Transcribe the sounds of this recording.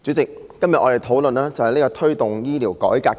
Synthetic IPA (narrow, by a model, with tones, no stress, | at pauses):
t͡sy˨˥t͡sɪ˨k̚ːɐ˥mjɐ˨t̚ʔɔː˨˧e˨˩jt̪ʰo˨˥wlɵ˨naː˥t͡sɐ˨˩whɐ˨jneː˥kɔː˧t̪ʰɵ˥ɥt̪ʊ˨ŋjiː˥liː˨˩wkɔ̰ː˨˥jkaː˧